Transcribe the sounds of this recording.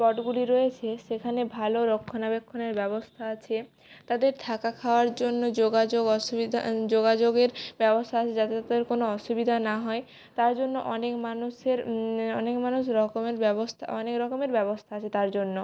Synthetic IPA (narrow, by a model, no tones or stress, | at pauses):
pɔʈɡuliɾojet͡ɕʰeʃekʰanebʱaloɾokʰːonabekʰːoneɾbɛbost̪ʰaat͡ɕʰe | t̪ad̪eɾt̪ʰakakʰaoaɾd͡ʑonːod͡ʑoɡad͡ʑoɡɔʃubid̪ʱa̰d͡ʑoɡad͡ʑoɡeɾbɛbost̪ʰaat͡ɕʰed͡ʑat̪et̪ad̪eɾkonoɔʃubid̪ʱanaɦɔe | t̪aɾd͡ʑonːoʔɔnekmanuʃeɾɔ̰nekmanuʃ̬ɾɔkomeɾbɛbost̪ʰa̰ɔnekɾɔkomeɾbɛbost̪ʰaat͡ɕʰet̪aɾd͡ʑonːo